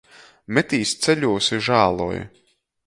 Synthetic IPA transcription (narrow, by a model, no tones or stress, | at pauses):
mɛt̪iːst̪sɛʎʲuɔsiʒaːlˠṵːj̰